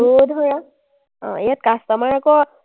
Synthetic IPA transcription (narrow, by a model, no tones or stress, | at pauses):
od̪ʱɔɹa | ɔ̰̃jat̪̚kast̪amaɹakɔ